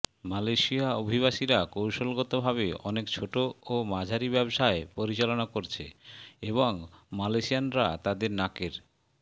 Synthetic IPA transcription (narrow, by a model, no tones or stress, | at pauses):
malajʃiaobʱiβaʃiɾakowʃolɡɔt̪obʱaβeɔnekt͡ɕʰoʈoomad͡ʑʱaɾibɛboʃaepoɾit͡ɕalonakoɾt͡ɕʰḛeβoŋmalajʃijanɾat̪ad̪eɾnakeɾ